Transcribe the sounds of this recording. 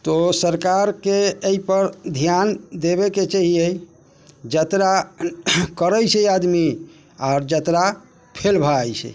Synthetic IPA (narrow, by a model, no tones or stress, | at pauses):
t̪osəɾkaɾkeeipəɾd̪ʱjand̪eβeket͡ʃəɦiej | d͡ʒət̪ɾa | kəɾəjt͡ʃʰɛad̪mi | aʊɾd͡ʒət̪ɾa | pʰelbʱaːjt͡ʃʰɛ̰